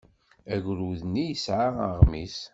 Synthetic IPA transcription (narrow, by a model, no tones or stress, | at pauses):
æʝʷɾuðnijəsʕaəʁmis